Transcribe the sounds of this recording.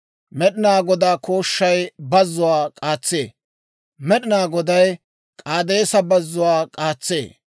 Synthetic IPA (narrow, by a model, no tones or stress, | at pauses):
mɛɗɪnaːɡɔd̪aːkoːʃːɐjbɐzːʊwaːkʼaːt͡sːḛː | mɛɗɪnaːɡɔd̪ɐj | kʼaːd̪eːsɐbɐzːʊwaːkʼaːt͡sːḛː